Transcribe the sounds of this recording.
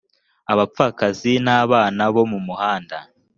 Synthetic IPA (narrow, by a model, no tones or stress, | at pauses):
aβap͡faːkazinaːβaːnaβo̞mumuhaːnda